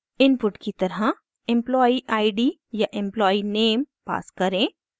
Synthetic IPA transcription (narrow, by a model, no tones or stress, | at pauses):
ɪnpʊʈkit̪ɐɾɦa | ɪ̃mplɔːiʔaːɪɖiː | jaʔɪ̃mplɔːineːmpa̰ːskɐɾẽː